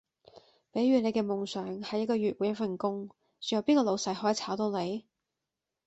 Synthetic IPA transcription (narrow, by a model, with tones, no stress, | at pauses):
pe˨˥jɥyː˨˧ne˨˧jkɛː˧mʊ˨ŋsœː˨˩ŋhɐ˨jːɐ˥t̚kɔː˧ɥyː˨t̚wuː˨˥jɐ˥t̚fɐ˨˩nkʊ˥ŋ | t͡sɵ˨˩jɐ˨˧wpiː˥nkɔː˧lo˨˧wsɐ˨˥jɦɔː˨˥ji˨t͡sʰaː˨˥wt̪o˧wne˨˧j